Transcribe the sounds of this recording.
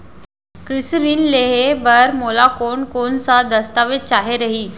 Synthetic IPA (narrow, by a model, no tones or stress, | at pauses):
kɾɪsɾiːnleɦebəɾmolakoːɳkonsad̪ɐst̪aʋɪt͡ɕaɦeɾɐɦiː